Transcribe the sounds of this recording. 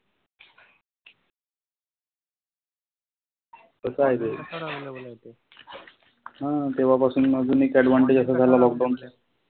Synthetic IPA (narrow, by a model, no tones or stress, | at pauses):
kəsəaɦjt̪e | ɦãt̪eʋ̤apasuːnmad͡zuːnekæʈʋaɳʈid͡ʑəsad͡zʱalalɔk̚ɖawɳt̪a